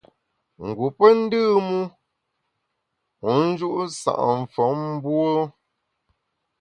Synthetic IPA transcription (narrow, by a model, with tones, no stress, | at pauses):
ŋ̩˨ɡu˨pə˦n̩˦dɨː˦˨mu˦ | u˨˦n̩˦d͡ʒu˦ʔsa̰˨ʔɱ̩˨fɔ˨˦m̩˦bwo˦